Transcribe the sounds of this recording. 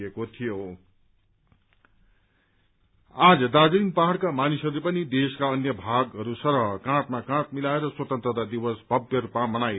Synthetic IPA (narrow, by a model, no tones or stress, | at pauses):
ekot̪ʰijo | ad͡zʌd̪aɡʌinpaɦaɽkamanisɦʌɾupʌnid̪eskaʌnjʌbʱaɡɦʌɾusʌɾɦʌkãʈmakãʈ̚milaeɾʌswʌt̪ʌnt̪rʌd̪ad̪iwʌsbʱʌbjʌɾupamʌnaj